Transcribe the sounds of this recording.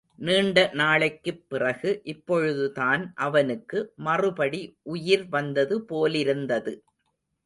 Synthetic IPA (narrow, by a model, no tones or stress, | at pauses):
niːɳɖɐnaːɭɐkːɯpːɪrɐɣɯʔɪpːɔɻɯðɯt̪aːnʔɐʋɐnɯkːɯmɐrɯpɐɽiʔʊjɪɾʋɐnd̪ɐðɯpoːlɪɾɯnd̪ɐðɯ